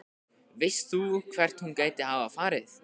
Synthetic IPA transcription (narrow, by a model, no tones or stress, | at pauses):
vɪjst̪θukʰvɛr̥t̪nhunkaːjt̪ɪhawvaðfaːɾɪθ